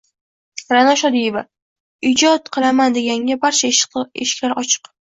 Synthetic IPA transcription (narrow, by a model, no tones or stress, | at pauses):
ɾanaʃɒd̪ijeva | ɪd͡ʒɒt̪qʰɨlˠamand̪e̞ɡʲaŋɡʲabaɾt͡ʃʰaʃeʃɪ̥kʲlaɾɒt͡ʃʰɨ̥q